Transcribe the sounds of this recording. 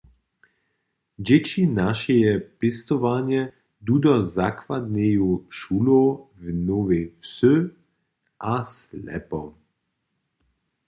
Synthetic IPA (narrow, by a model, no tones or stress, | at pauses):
d͡ʒet͡ʃinaʃɛjɛpest̪ɔʋaːnjɛ | d̪ud̪ɔzakʋad̪neːjuʃulovnoːvefsø | ʔaslɛ̰pɔ